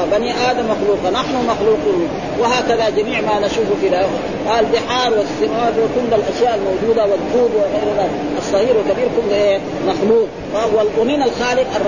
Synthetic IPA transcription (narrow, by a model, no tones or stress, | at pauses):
baniʔaːd̪amːaxluːqɑnaħnumaxluːqun | wahaːkaðad͡ʒamiːʕmaːnaʃuːfufilah | alb̪ɪħɑːɾˤwast̪ɪmaːfakulːalʔaʃjaːʔalmawd͡ʒuːd̪awad̪uːb̪waɣajɾla | ʔɑsˤːɑɣiːɾwɪkabiːɾkullʔe | maxluːq̚ | walʔuniːnalxaːlɪqɑrˤ